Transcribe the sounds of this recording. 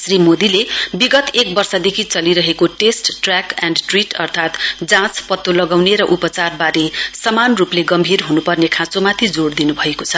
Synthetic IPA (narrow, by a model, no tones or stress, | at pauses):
srimod̪ilebiɡʌt̪ek̚bʌrsʌd̪ekʰit͡sʌliɾʌɦekoʈesʈʈrakanɖʈriʈʌrt̪ʰat̪d͡zãt͡spʌt̪ːolʌɡawneɾʌʔupʌt͡sarbaɾesʌmanrupleɡʌmbʱirɦunupʌrnekʰãt͡somat̪ʰid͡zoɽd̪inubʱʌekot͡sʰʌ